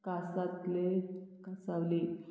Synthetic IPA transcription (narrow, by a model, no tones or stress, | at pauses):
kasat̪lekasaʋli